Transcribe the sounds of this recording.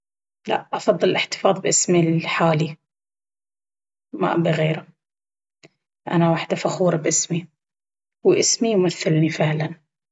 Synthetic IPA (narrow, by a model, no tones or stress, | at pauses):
la̰ʔʔɑfɑðˤːɨllʔɪħt̪ɪ̥fɑːðˤbʔɪsmiħaːli | ma̰ʔbiɣeːɾa | ʔa̰nawaħd̪afaxuːɾˤɑbʔɪsmi | wʔɪsmijmaθːɪlnifɪʕlan